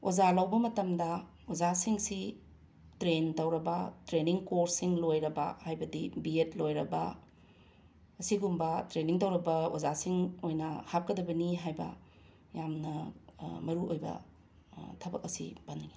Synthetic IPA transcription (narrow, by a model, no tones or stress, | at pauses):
ozalawbɐmɐtɐmdɐ | ozasiŋsi | tɾentɐwɾɐbɐtɾeniŋkoɾsiŋlojɾɐbɐ̰hajbɐdibietlojɾɐbɐ | ɐsiɡumbɐtɾeniŋtɐwɾɐbɐozasiŋojnɐhap̚kɐdɐbɐniɦajbɐ̰ | jamnɐmɐɾuojbɐ̰ | tʰɐbɐk̚ɐsḭbanːiŋi